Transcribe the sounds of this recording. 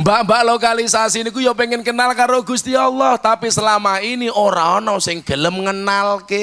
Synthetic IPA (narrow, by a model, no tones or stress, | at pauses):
mbaʔmbaʔlokalisasinikujopeŋɪnkənalkaɾoɡust̪ialːɔht̪apisəlamainiʔoɾaɔnɔsɪŋd̪̥ələmŋənalke